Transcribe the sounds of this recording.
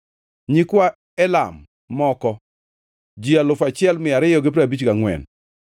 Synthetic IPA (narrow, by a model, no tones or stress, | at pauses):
ɲikwa | ɛla̰mː | ɔkɔ | d͡ʒialʊfat͡ʃɪɛlmɪaɾɪjɔɡɪpɾabit͡ʃɡaŋwɛ̰n